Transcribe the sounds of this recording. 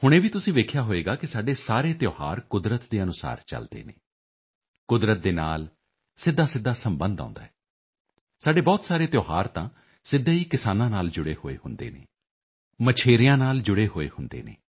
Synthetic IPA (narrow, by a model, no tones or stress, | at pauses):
hʊɽ̃ẽːbiːt̪ʊsĩːʋeːkʰjaːɦoːeːɡaːkɪsaːɖeːsaːɾeːt̪joːha̰ːɾkʊd̪ɾət̪d̪eːənʊsa̰ːɾt͡ʃə̰ld̪ḛːnḛː | kʊd̪ɾət̪̚d̪eːna̰ːl | sɪd̪ːaːsɪd̪ːaːsəmbə̃nd̪ã̰ːnd̪a̰ːɦɛː | saːɖeːbɔːt̪saːɾeːt̪joːɦaːɾt̪ãː | sɪd̪eːiːkɪsaːnãːnaːld͡ʒʊɽeːhoːḛːhʊnd̪ḛːnḛː | mət͡ʃʰeːɾɪjãːnaːld͡ʒʊɽeːɦoːḛːhʊnd̪ḛːnḛː